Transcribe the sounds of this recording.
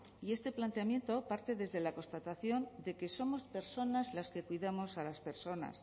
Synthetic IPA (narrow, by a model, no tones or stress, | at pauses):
ie̞st̪e̞plant̪eamje̞nt̪o̞paɾt̪e̞ðe̞zðe̞lako̞st̪at̪aθjo̞nd̪e̞ke̞so̞mo̞spe̞ɾso̞nazlaske̞kwiðamo̞salaspe̞ɾso̞na̰s